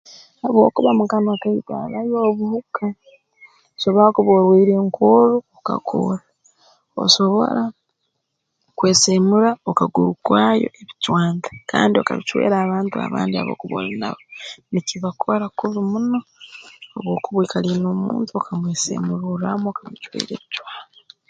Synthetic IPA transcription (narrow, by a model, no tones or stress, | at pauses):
haβo̞̰ːkuβamukanakaita̰βajoːβuhuka | osoβoɾakuβoɾwiːɾe̞ːŋkʰoɾuoka̰kʰo̰ɾa | o̰so̞βo̞̰ɾa | kwe̞ːsemuɾaokaɡuɾukwaːjo̞̰ʔeβitwaːndaka̰ːndio̞̰kaβit͡ʃwḛːɾaːβaːntua̰βa̰ːndia̰βo̰kuβo̰lina̰βoniciβakʰoɾakuβimuno̞ː | βwo̞ːkuβwiːkalinoːmṵːntuokamweːsḛmuɾuɾamoːkaβit͡ʃwḛːɾḛːβit͡ʃwaːna